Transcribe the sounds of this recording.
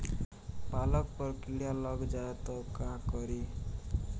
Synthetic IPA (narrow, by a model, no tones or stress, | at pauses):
palɔk̚pɔɾkiɽjalɔɡd͡ʒaet̪ɔkakɔɾi